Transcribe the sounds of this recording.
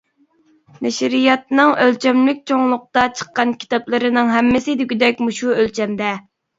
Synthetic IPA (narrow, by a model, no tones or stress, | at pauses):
nɛʃɾijɑt̪nɨŋølt͡ʃʰɛmlɪk̚ʲt͡ʃʰoŋlˠʊq̚t̪ɑt͡ʃʰə̥qːɑnkʲʰi̥t̪ɑplˠɨɾɪnɨŋɦɛmːɪsɪd̪yɡʲyd̪ɛk̚ʲmuʃuølt͡ʃʰɛmd̪ɛ